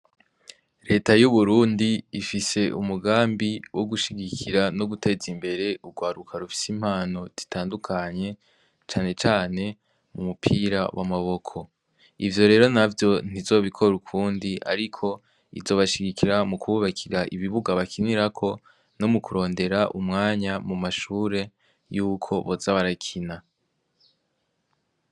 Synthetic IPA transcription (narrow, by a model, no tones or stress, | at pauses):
ɾe̞ːtajuβuɾuːndiːfise̞umuɡaːmbiwʔoɡuʃiɡikʰiɾano̞ɡutʰe̞ːzimbe̞ɾe̞uɡwaːɾukʰaɾufi̥sim̥haːno̞z̥i̥tʰaːndukʰaɲe̞ | t͡ʃaːne̞t͡ʃaːne̞ | mumupʰiɾa̰wʔa̰maβo̞kʰo̞ | ivjo̞ɾe̞ːɾo̞navjo̞n̥izo̞ːβikʰo̞ɾukʰuːndiʔa̰ɾikʰo̞ | ḭzo̞βaʃiɡikʰiɾamukuuβakʰiɾaʔiβiβuɡaβakʰiniɾakʰo̞ | no̞mukuɾo̞ːnde̞ɾaʔumŋaːɲamumaʃuːɾe̞ | juːkʰo̞βozaβaɾakʰina